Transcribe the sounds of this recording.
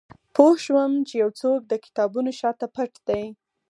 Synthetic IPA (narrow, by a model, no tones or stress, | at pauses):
pohʃwəmt͡ʃejawt͡sok̚d̪əkɪ̥t̪ɑbunoʃɑt̪apaʈd̪̥aj